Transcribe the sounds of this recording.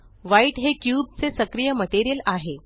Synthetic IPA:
ʋaiʈɦekjuːb̚t͡sesəkɾijəməʈeɾijəlaɦe

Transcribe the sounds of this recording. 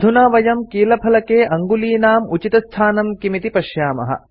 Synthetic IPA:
d̪ʱunaːʋɐjɐmkiːlɐpʰɐlɐkeːʔɐŋɡuliːnaːmut͡ʃit̪ɐst̪ʰaːnɐmkimit̪ipɐʃjaːmɐ̰ɦɐ̰

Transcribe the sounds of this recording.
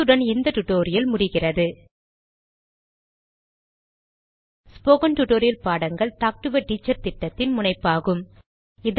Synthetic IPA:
ɯɽɐnɪnd̪ɐʈʊʈoːɾɪjɐlmʊɽɪɣɪrɐðɯ | spoːɣɐnʈʊʈːoːɾɪjɐlpaːɽɐŋɡɐɭt̪aːk̚ʈɯʋɐʈiːt͡ʃːɐɾt̪ɪʈːɐt̪ːɪnmʊnɐɪpːaːɣɯm | ɪð

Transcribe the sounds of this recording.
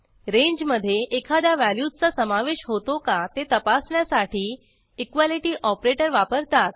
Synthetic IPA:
ɾẽɲd͡ʑməd̪ʱːjeʔekʰad̪jaʋæljud͡zt͡sasəmaʋeɕɦot̪okat̪et̪əpasɳjasaʈʰiː | ikʋaliʈiːʔɔpɾeʈəɾʋapəɾt̪at̪̚

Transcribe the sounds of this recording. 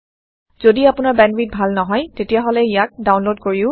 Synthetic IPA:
z̥odiapʊnaɹbɛnbit̚bʱalnɔɦɔjtetijaɦɔlɛijak̚daw̃nlod̚koɹiʊ

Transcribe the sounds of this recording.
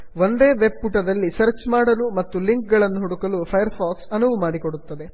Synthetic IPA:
ʋo̞nd̪e̞ːʋe̞buʈɐd̪ɐlːisɐɾt͡ʃmaːɽɐlumɐt̪ːuliŋk̚ɡɐɭɐnːuɦuɽukɐlupʰɐjɐɾpʰaːksɐnuʋumaːɽikoɽut̪ːɐd̪e̞

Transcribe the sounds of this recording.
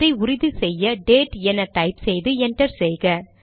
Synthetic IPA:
ɐɪʊɾɪðɯsɛjːɐɖeːʈɛnɐʈɐɪpsɛjðɯɛɳʈɐɾsɛjɣɐ

